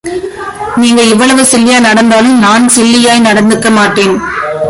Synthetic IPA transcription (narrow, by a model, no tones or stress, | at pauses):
niːŋɡɐɪʋːɐɭɐʋɯsɪlːɪjaːjnɐɽɐnd̪aːlɯmnaːnsɪlːɪjaːjnɐɽɐnd̪ɯkːɐmaːʈːeːn